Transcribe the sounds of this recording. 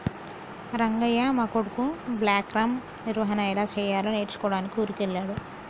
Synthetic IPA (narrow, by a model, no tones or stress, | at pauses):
ɾɐŋɡɐjamɐkoɽukubljaːkɾaːm | niɾʋɐɦɐnɐɛlaːt͡ʃɛːjaːloːneːʈt͡ʃu̥kɔːɽaːnikiuɾikelːaːɽu